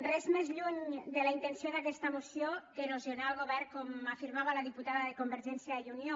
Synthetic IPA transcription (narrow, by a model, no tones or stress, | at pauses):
rɛzmezʎuɲd̪elaint̪ensijoðakɛst̪amosjokenozjonaalˠɣoβɛɾkɔmafiɾmaβalaðiput̪aðaðekombeɾʒɛnsjajunjo